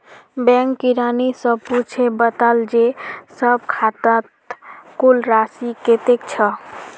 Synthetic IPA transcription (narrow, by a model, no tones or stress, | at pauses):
bɛ̃ŋkːiɾanisəbput͡ʃʰebət̪əld͡ʒesəb̚kʰat̪ət̪kulɾasiket̪ekt͡ʃʰə